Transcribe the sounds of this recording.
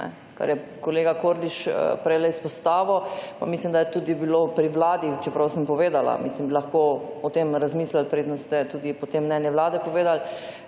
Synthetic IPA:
nɛ̰ | ka̰ɾjɛkoleːɡakoɾd̪iʃpɾɛjlɛispɔst̪aːʋɔpa̰mislimd̪ajɛt̪uːd̪ibilopɾiʋlaːd̪ixt͡ʃɛpɾawsəmpɔʋeːd̪ala̰mislimbilɐxkoɔt̪emɾazmiːslalpɾeːd̪ənst̪ɛt̪uːd̪ipɔt̪emːnɛːnjɛwlaːd̪ɛpɔʋeːd̪al

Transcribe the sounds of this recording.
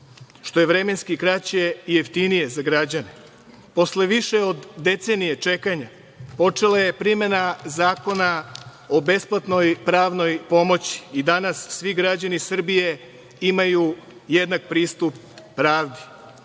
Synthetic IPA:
ʃt̪o̞je̞ʋɾe̞me̞nskikɾat͡ɕijeijeft̪inije̞zaɡɾad͡ʑane | po̞sle̞ʋiʃeo̞d̪ːe̞t̪se̞nije̞t͡ʂe̞kaɲa | po̞t͡ʂelaje̞pɾime̞nazaːko̞na | o̞be̞splˠat̪no̞jpɾaːʋno̞jpo̞mo̞t͡ɕi̥ːd̪anasːʋiɡɾad͡ʑanisr̩bije̞ | imaju | je̞d̪nak̚pɾiːst̪upː | ɾaːʋd̪i̥

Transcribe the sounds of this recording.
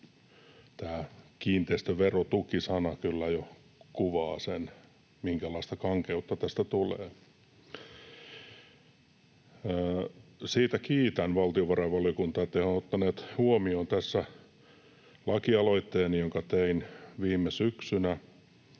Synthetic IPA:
t̪æːkiːnt̪eist̪øʋerot̪ukisɑnɑkylːæjo | kuʋɑːsen | miŋkælɑist̪ɑkɑŋkeut̪ːɑt̪æst̪æt̪ulḛː | siːt̪ækiːt̪ænʋɑlt̪ioʋɑrɑʋʋɑljiokunt̪ɑːet̪ːehonot̪ːɑneːt̪huomioːnt̪æsːæ | lɑkiɑloit̪ːeːnijoŋkɑt̪einʋiːmːesyksynæ

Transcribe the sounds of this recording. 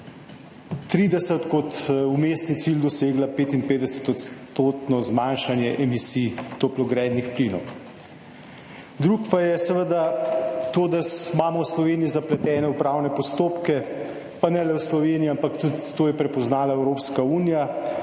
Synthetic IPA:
t̪ɾid̪ɛsət̪kɔt̪umeːst̪nit̪sild̪ɔseːɡlapeːt̪inpeːd̪ɛsə̥t̪ɔt̪st̪oːt̪nɔzmanʃanjɛʔɛmisit̪oplɔɡɾɛːd̪nixpliːnɔ̰w | d̪ɾukpajɛsɛʋəd̪at̪oːd̪asmaːmɔwslɔʋeːnijizaplɛt̪ɛːnɛupɾawnɛpɔst̪oːpkɛ | panɛlɛwslɔʋeniiampakt̪ut̪t̪ːoːjɛpɾɛpɔznaːlaɛwɾoːpskauːnija

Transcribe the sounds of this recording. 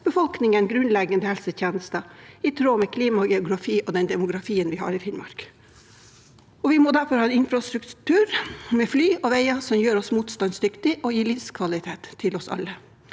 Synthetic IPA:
b̥əfɔlknɪŋənɡɾʉnlɛɡənd̪əhɛlsət̪jeːnəst̪ɑɪt̪ʰɾoːmɛkʰliːmɑɡɛʊɡɾɑfiːʔɔd̪ɛnd̪ɛmʊɡɾɑfiːənʋɪhɑ̰ːɾɪfɪnmɑ̰ɾk | ɔʋɪmoːd̪æɾfɔɾhɑːnɪnfɾɑst̪ɾʉkt̪ʰʉːɾmɛflyːʔɔʋeɪɑsɔmjøːɾɔsmuːt̪st̪ɑnsd̪ʏkt̪ɪʔɔjiːlɪfskʰʋɑlɪt̪ʰeːt̪ʰːɪlɔsɑ̰lːə

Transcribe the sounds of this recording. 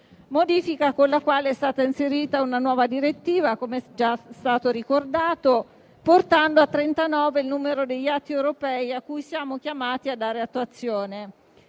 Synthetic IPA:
mod̪iːfikakonlakwaːleɛst̪aːt̪ainseɾiːt̪aunanwɔːvad̪iɾet̪ːiːvakomeɛd͡ʒast̪aːt̪oɾikord̪aːt̪o | port̪and̪oat̪ːɾent̪anɔːveilnuːmeɾod̪eʎːat̪ːiɛwɾopɛːiakːujsjaːmokjamaːt̪iad̪ːaːɾeat̪ːuat̪sːjoːne

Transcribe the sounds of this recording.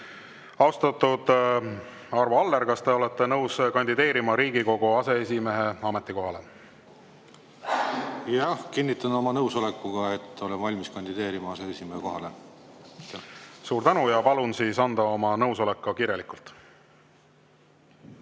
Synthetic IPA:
ɑwst̪ɑt̪ːud̪̥ | ɑrvoɑlːeɾkɑst̪e̞o̞le̞t̪ːe̞nɤwskɑnʲd̪id̪̥e̞ːɾimɑɾiːɡ̥iko̞ɡ̥uɑse̞esʲime̞ɦe̞ɑme̞t̪ːˑiko̞ɦɑle̞ | jɑhkinʲːit̪ːˑɑno̞mɑnɤwso̞lekːˑuɡ̥ɑet̪ːo̞lenvɑlʲmiskɑnʲd̪id̪e̞ːɾimɑɑse̞esʲimeheko̞ɦɑle | suːɾt̪ænujɑpɑlunsiːsɑnd̪̥ɑo̞mɑnɤwso̞le̞kːɑkirjɑlikult̪ˑ

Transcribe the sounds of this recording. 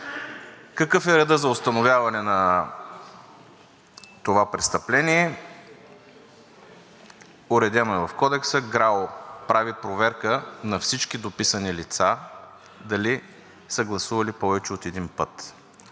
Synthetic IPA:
kɐkɤfɛɾɛd̪əzɐʊst̪ɐnovʲavɐnɛnɐ | t̪ovapɾɛst̪ɐplɛnʲiɛ | ʊɾɛd̪ʲɛnoɛvɐfkɔd̪ɛksəɡɾalopɾavipɾovɛɾkənɐfsit͡ʃkid̪opisənilit̪sa | d̪ɐli | səɡlˠɐsuvɐlipɔvɛt͡ʃɛot̪ɛd̪inpət̪

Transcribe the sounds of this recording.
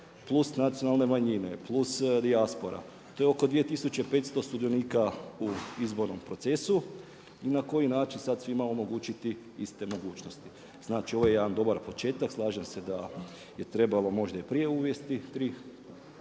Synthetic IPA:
plˠusnat̪sionalˠne̞maɲine̞plˠusd̪iaspo̞ɾa̰ | t̪o̞jo̞ko̞d̪ʋije̞t̪isut͡ɕe̞pe̞ːt̪st̪o̞st̪ud̪ioniːkauizbo̞ɾno̞mpɾo̞t̪se̞su | inako̞jinaːt͡ʃinsad̪sʋimao̞mo̞ɡuːt͡ʃit̪i | ist̪e̞mo̞ɡuːt͡ʃnost̪i̥ | z̥naːt͡ʃio̞ʋo̞jejed̪and̪o̞baɾpo̞t͡ʃe̞ːt̪akslˠaːʒemse̞d̪a | je̞t̪ɾe̞balo̞mo̞ʒd̪aipɾije̞uːʋje̞st̪it̪ɾiː

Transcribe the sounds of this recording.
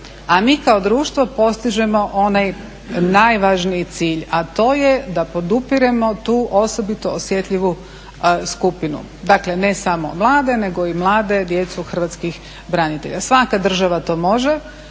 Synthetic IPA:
amiːkaod̪ɾuːʃt̪ʋo̞po̞st̪iʒe̞mo̞ʔo̞naj | naːjʋaʒniit̪siːʎat̪o̞ːje̞d̪apo̞d̪upiɾe̞mo̞t̪uːʔo̞so̞bit̪o̞osje̞t̪ʎiʋu | skupinṵ | d̪akle̞ne̞samo̞̰mlˠaːd̪e̞ne̞ɡo̞imlˠaːd̪e̞d̪je̞t̪suxr̩ʋat̪skix | bɾanit̪e̞̰ʎasʋakad̪r̩ʒaʋat̪o̞ːmo̞ʒe

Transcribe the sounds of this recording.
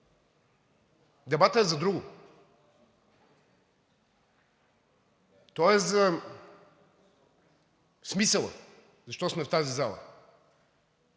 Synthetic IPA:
d̪ɛbat̪əɛzɐd̪ɾuɡʊ | t̪ɔɛza | smisəlˠə̰ | zɐʃt̪ɔsmɛft̪azizalˠɐ̰

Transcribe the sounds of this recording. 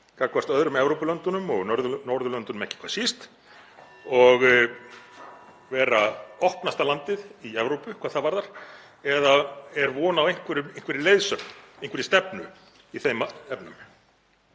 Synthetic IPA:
kakvast̪œðɾʏmɛvɾowpʏlœnt̪ʏnʏmɔɣnɔɾðʏnɔɾðʏlœnt̪ʏnʏmɛhcɪ̥kʰḁːsist̪ | ɔɣ | vɛːɾaɔhpnast̪alant̪ɪðiɛvɾowpʏkʰaðθaðvaɾðaɾ̥ | ɛðaɛɾvɔːnavejŋ̥kʰvɪɾʏejn̥kʰvɪɾɪleːjðsœknejŋ̥kvɪɾɪst̪ɛpnʏ | iθejmaɛpnʏm

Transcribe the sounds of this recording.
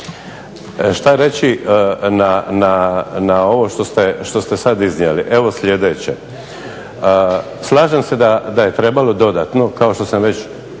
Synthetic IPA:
ʃt̪aɾe̞t͡ɕinananao̞ʋo̞ʃt̪o̞st̪eʃt̪o̞st̪e̞sad̪iznjeliʔeʋo̞slʲje̞d̪et͡ɕe̞ | ə | slaːʒemse̞d̪ad̪aje̞t̪ɾe̞balo̞d̪o̞d̪aːt̪no̞kao̞ʃt̪o̞samʋe̞t͡ɕ

